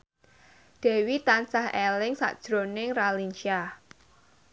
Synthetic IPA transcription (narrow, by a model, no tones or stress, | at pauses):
d̥ɛ̤wit̪ansahɛlɪŋsa̰ʔd̥ʒ̥ɾonɪŋralint͡ʃa